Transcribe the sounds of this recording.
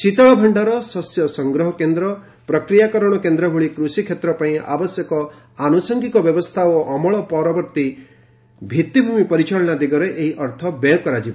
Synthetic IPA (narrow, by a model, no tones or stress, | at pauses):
t͡ʃit̪ɔɭɔbʱɔɳɖaɾɔsɔsjɔsɔŋɡɾɔɦɔkend̪ɾɔ | pɾɔkɾijakɔɾɔɽ̃ɔkend̪ɾɔɦuɭikɾusikʰjet̪ɾɔpaĩʔa̰bɔsjɔkɔ | anusɔŋɡikɔbjɔbɔst̪ʰaoʔɔmɔɭɔpɔɾɔbɔɾt̪i | bʱit̪ːibʱumipɔɾit͡ʃaɭɔñad̪iɡɔɾeʔeɦiʔɔɾt̪ʰɔbejɔkɔɾad͡ʒibɔ